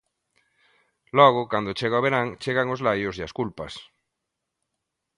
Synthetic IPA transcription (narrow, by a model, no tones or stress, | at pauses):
lɔɣ̞okand̪ot͡ʃeɣaoβeɾaŋt͡ʃeɣaŋozlajozjaskulpas